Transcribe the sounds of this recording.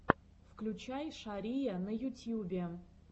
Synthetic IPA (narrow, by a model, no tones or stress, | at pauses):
fklʲʉt͡ɕajʂaɾʲijɐnɐjʊtʲjubʲe